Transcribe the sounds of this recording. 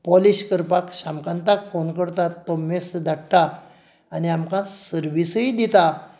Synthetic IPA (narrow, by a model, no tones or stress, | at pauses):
pɔliɕkəɾpakɕamkãnt̪akfonkəɽt̪at̪ːɔmesd̪aɽ̚t̪aː | niamkãsəɾʋisəid̪it̪a